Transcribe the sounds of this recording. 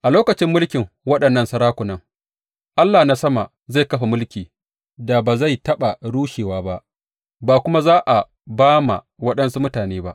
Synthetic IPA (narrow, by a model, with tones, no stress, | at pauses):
ʔa˨loː˦kɐ˨t͡ʃɪ˦mːʊ˦lkʲɪ˨ŋ | wɐ˦ɗɐ˨nːɐ˦˨nsɐ˦ɾaː˦kʷʊ˨nɐ˦ŋ | ʔa˦lːaː˨na˦sɐ˦ma˨ | za˦˨jkɐ˦ɸa˨mʊ˦lkʲiː˨ | da˨baː˨za˦˨jtɐ˦ɓa˨ɽuː˦ʃeː˨waː˦ba˦ʔ | baː˨kʷʊ˦ma˦zaː˦ʔa˨ | baː˦ma̰˨ | wɐ˦ɗɐ˦nsu˦mʊ˦taː˨neː˦ba˦ʔ